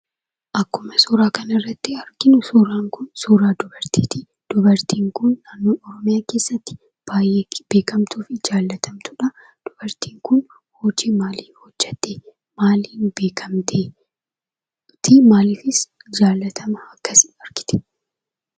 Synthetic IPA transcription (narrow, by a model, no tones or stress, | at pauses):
ʔɐkːʊmɐsuːɾaːkɐnɪrːɐt̪ːɪɐɾɡɪnʊsuːɾaːŋkʊnsuːɾaːd̪ʊbɐɾt̪iːt̪ɪ | d̪̥ʊbɐɾt̪ʰiːŋkʊnːaːnːoːɔɾɔmɪjaːke̞ːsːɐt̪ːɪ̥ | b̥aːjeːb̥e̞ːkɐmt̪uːfɪd͡ʒaːlːɐt̪ʰɐmt̪ʊᶑɐ | d̪̥ʊbɐɾt̪iːŋkʊn | hɔːd͡ʒiːmaːliːnhɔd͡ʒːɛt̪ːeː | maːliːnbeːkʰɐmt̪ʰeː | t̪ɪmaːliːfɪsd͡ʒaːlːɐt̪ʰɐmɐɐkːɐsɪ̥ɐɾɡɪ̥t̪ɛ̥